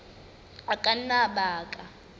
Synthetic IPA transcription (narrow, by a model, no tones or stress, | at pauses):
akʼanaɓaːkʼa